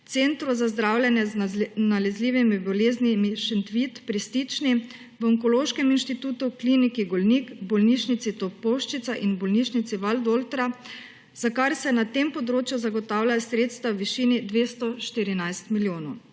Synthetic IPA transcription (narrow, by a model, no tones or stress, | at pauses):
t̪sent̪ɾuzazd̪ɾawlʲjɛnjɛznalɛzliːʋimibɔleːznimiʃɛnt̪ʋit̪pɾist̪it͡ʃni | ʋəɔŋkoɔloːʃkɛminʃt̪it̪uːt̪uklinikiɡɔlnikbɔlniʃnit̪sit̪ɔpɔwʃt͡ʃit̪saʔinbɔlniʃnit̪siʋald̪olt̪ɾa | z̥akaɾsɛnat̪empɔd̪ɾoːt͡ʃjuzaɡɔt̪aːwlasɾet̪st̪ʋawʋiʃiːnid̪ʋeːst̪ɔʃt̪iɾinajst̪miljoːnɔw